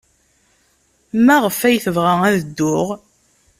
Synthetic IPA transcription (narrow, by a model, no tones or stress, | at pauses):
mæʁəfæjθəvʁææðəd̪ːʊʁ